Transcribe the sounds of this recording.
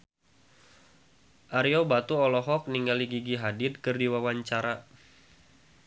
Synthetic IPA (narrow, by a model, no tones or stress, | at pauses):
ʔaɾjobat̪uɔlɔɦɔk̚niŋɡaliɡiɡiɦadɪt̪̚kɨrdiwawaɲt͡ʃaɾa